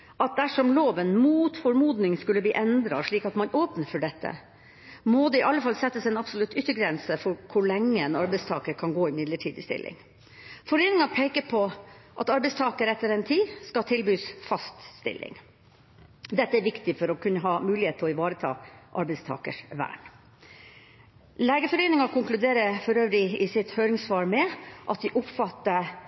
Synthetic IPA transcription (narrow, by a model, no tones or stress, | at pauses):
ʔɑt̪̚d̪æʂɔmloːʋɛnmuːt̪fɔɾmuːd̪nɪŋskʉlːəbliːʔɛnd̪ɾɑ̰ʂɭiːkɑt̪mɑnoːpnəɾfɔɖɛt̪ːə̰ | mɔd̪ɛɪʔɑlːəfɑlsɛt̪ːəsɛnɑpsɔlʉt̪ːʏt̪ːəɡɾɛnsəfɔɾkʰʊɭɛŋːəɛnɑɾbɛɪst̪ʰɑ̰ːkəɾkʰɑnɡoːɪmɪd̪ləʈʰiːd̪ɪst̪ɪ̰lʔɪ̰ŋ | fɔɾeːnɪŋɑpʰeɪkəpʰɔʔɑt̪ɑɾbɛɪst̪ʰɑːkəɾɛt̪ːəɾɛnt̪ʰiːskɑt̪ʰɪlbyːsfɑst̪st̪ɪ̰lʔɪ̰ŋ | d̪ɛt̪ːəæɾʋɪkt̪ɪfɔɾɔkʰʉnːəɦɑːmʉːlɪheːt̪ʰlɔɪʋɑːɾət̪ʰɑ̰ːʔɑɾbɛɪst̪ʰɑ̰ːkə̰ʂʋæ̰ːɳ | leːɡəfɔɾeːnɪŋɑkʰʊŋklʉd̪eːɾəfɔɾøːʋɾɪɪsɪt̪høːɾɪŋsʋɑːɾmɛʔɑt̪̚d̪ɪʔʊpfɑt̪ːə